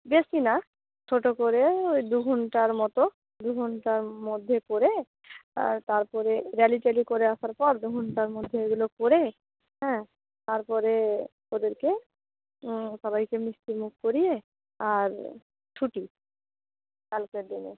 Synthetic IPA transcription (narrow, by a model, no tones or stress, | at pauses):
besina | t͡ʃʰoʈokoɾeojd̪uɡʱɔɳʈaɾmɔt̪o | d̪uɡʱɔɳʈaɾmod̪ʱːekoɾe | a̰t̪aɾpɔɾeɾaliʈalikoɾeasaɾpɔɾd̪uɡʱɔɳʈaɾmod̪ʱːeeɡulokoɾe | ɦɛ̃ | t̪aɾpɔɾe | od̪eɾke | sɔbajkemist̪imukkoɾije | aɾ | t͡ʃʰuʈi | kalkeɾd̪inḛ